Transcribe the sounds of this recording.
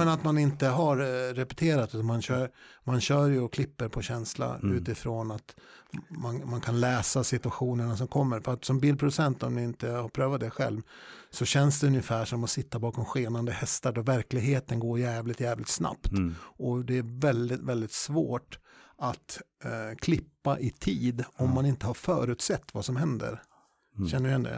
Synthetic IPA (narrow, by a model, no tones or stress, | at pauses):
mɛnat̪manɪnt̪əɦaɾːɛpɛ̥t̪ʰeːɾat̪ʉt̪anmanɕœːɾmanɕœːɾjɵɔkʰlɪpːəɾpʰɔɕɛnsla̰ʉ̟ːt̪ɪfɾonat̪manmankʰanlɛːsasɪt̪ɵaɧuːnəɳas̬ɔmkʰɔmːəɾfœɾat̪sɔmbiːl̚pɾʊd̪ɵsɛnt̪ɔmd̪ɪɪnt̪əhaɾpʰɾøːvat̪̚d̪ɛɧɛ̰lvsɔɕɛnsd̪ɛɵnjɪfæːʂɔmɔsɪt̪ːabɑːkɔmɧeːnand̪əhɛst̪aɖɔvæɾklɪɡɦeːt̪ənɡoːɾjæːvlɪt̪jæːvlɪt̪sna̰pt̪ɔd̪ɛæɾvɛld̪ɪt̪vɛld̪ɪt̪svoːʈat̪kʰlɪpːaʔɪt̪ʰiːd̪ɔmːanɪnt̪əhaɾfœ̰ːɾʉ̟ːt̪sɛt̪ːvasɔmɦɛnd̪ə̰ɾ | ɕɛnːəɛnd̪ɛ̰